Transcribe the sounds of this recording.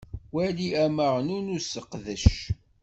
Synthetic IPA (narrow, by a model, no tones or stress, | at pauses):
wæliæməʁnunusəqːðəʃ